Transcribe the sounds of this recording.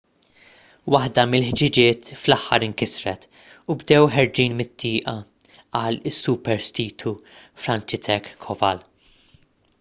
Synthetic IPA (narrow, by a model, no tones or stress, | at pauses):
wɐħd̪ɐmɪlħd͡ʒɪd͡ʒɪːt̪flɐħːɐɾɪŋkɪsɾɛt̪ | ubd̪ɛwħɛɾd͡ʒiːnmɪt̪ʰːɪːʔɐ | ɐlɪsːupɛɾst̪iːt̪ʰufɾɐnt͡ʃɪt̪ʰɛkʰːɔvɐl